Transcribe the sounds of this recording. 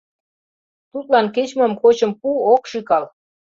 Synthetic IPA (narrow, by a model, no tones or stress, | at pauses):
t̪ut̪lɑnket͡ɕmɤ̆mkot͡ɕə̆mpuokʃikɑl